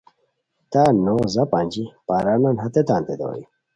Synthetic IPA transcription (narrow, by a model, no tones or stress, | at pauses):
t̪aːnozɐpanʲd͡ʑipaːɾananɦɐt̪et̪ãːnt̪ed̪o̰ːjḭ